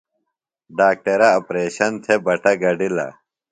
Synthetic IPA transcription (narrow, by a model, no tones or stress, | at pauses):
ɖaːk̚ʈeɾɐɐpɾeːɕɐnt̪ʰebɐʈɐɡɐɖilɐ̰